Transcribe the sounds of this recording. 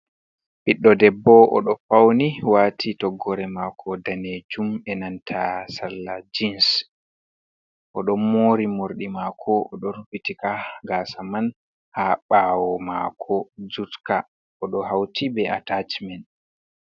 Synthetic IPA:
piɗːɔdɛbːɔʔɔ̰ɗɔfawniwaːtʰitɔɡːɔɾɛmakʰɔdaned͡ʒumɛnantʰasalːad͡ʒins | ʔɔɗɔnːoːɾimoɾɗimakʰɔɔɗɔɾfitikaɡasaman | haɓawɔmakʰɔd͡ʒutka | ɔɗɔɦawtʰibɛatat͡ʃmɛn

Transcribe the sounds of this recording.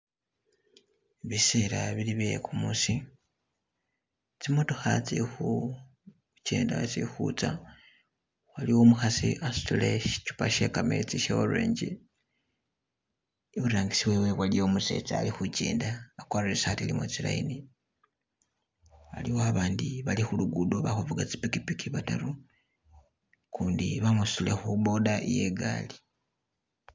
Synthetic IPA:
βiseɾaβiliβekumusi | t͡simotoxat͡sixu | cḛːnda̰t͡sixṵt͡sa | waliwo̞muxasiʔastoleʃt͡ʃu̥paʃekame̞̰t͡siʃewolwḛːɲɟḛ | iβuɾaːŋɡisiwe̞weβwalijomusḛːt͡sa̰ːlixut͡ʃḛːndaːkwaːɾeesaatilimoit͡sila̰ḭni | a̰liwoaβaːndiβalixuluɡudoβaxuvuɡat͡si̥pikipikiβataɾu | kuːndiβamussule̞xubo̞daʔije̞̰ɡaːli

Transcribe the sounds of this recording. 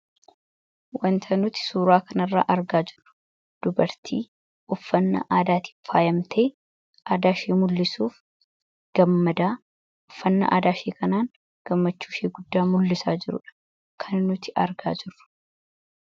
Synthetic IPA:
wʔɐnt̪ʰɐnʊt̪ɪ̥suːɾaːkɐnɐrːa̰ːʔɐɾɡaːd͡ʒɪrʊ̥ | d̪̥ʊbɐɾt̪ʰḭː | ʔʊfːɐnːɐ̰ʔaːd̪aːt̪ɪ̥faːjɐmt̪ʰeː | ʔaːd̪aːʃeːmʊlːɪsuːf | ɡ̥ɐmːɐd̪aː | ʊfːɐnːɐ̰ʔa̰ːd̪aːʃeːkɐnaːŋ | ɡ̥ɐmːɐt͡ʃːuːʃeːɡʊd̪ːaːmʊlːɪsaːd͡ʒɪɾʊ̰ᶑɐ̥ | kʰɐnnʊt̪ɪʔɐɾɡa̰ːd͡ʒɪrːʊ̥

